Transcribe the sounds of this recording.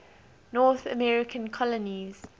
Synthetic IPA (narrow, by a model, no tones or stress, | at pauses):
nɔːˑθə̰mɛɹɪkʰə̃nkʰɔləniz̥